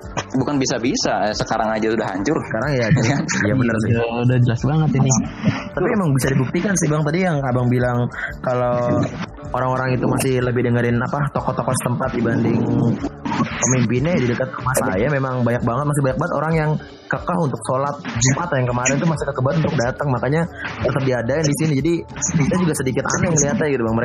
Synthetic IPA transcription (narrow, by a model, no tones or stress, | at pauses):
bukanbisabisasəkaɾaŋad͡ʒasudaha̰ɲt͡ʃʊrə̥kaɾaŋjad͡ʒanjabənərsidad͡ʒəlasbaŋət̪inɪt̪apimemaŋbisadibuk̚t̪ikansibaŋt̪adijaŋkabaŋbilaŋkalo | oɾaŋoɾaŋit̪umasɪhləbɪhdəŋəɾɪnapat̪okɔt̪okɔsə̥t̪əmpat̪̚dibandɪŋ | pəmimpinadidəkat̪̚kəmasaj̰jamemaŋbaɲak̚baŋət̪̚mas̬ɪhbaɲak̚baŋət̪o̰ɾaŋjaŋ | kəkahunt̪ʊk̚solat̪̚d͡ʒumʔat̪jaŋkəmaɾɛnt̪umasɪkəkəbat̪unt̪ʊk̚dat̪əŋmakaɲat̪ət̪əp̚diadaɪndisinid͡ʒadiit̪ad͡ʒuɡasədikɪt̪a̰naŋəliat̪aɡit̪ubaŋməɾe